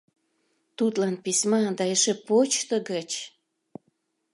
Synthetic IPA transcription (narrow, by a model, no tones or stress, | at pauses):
t̪ut̪lɑnpisʲmɑd̪ɑeʃepot͡ɕt̪ə̆ɡət͡ɕ